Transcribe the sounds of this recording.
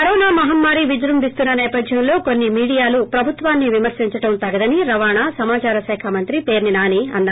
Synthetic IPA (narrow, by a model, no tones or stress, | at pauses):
ɐɾoːnaːmɐɦɐmːaːɾiʋid͡ʒɾɐmbist̪unːɐnɛːpɐd̪ʱjɐmlo̞ːko̞nːimiːɽijaːlupɾɐbʱut̪ʋaːnːiʋimɐɾsiɲt͡ʃɐʈɐmt̪ɐɡɐd̪ɐniɾɐʋaːɳaːsɐmaːt͡ʃaːɾɐsɛːkʰɐmɐnt̪ɾipe̞ːɾninaːniɐnːa